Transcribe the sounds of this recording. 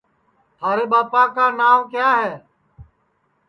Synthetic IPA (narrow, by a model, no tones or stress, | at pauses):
t̪ʰaːɾeːɓaːpaːkaːnaːʋkjaːɦɛː